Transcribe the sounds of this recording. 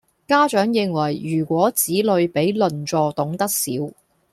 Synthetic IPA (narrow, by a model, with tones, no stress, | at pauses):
kaː˥t͡ʃœː˨˥ŋjɪ˨˧ŋwɐ˨˩jjyː˨˩kʷɔː˨˥t͡siː˨˥lɵ˨˧ɥpe˨˥jlɵ˨nt͡sɔː˧t̪ʊ˨˥ŋt̪ɐ˥k̚sḭː˨˥w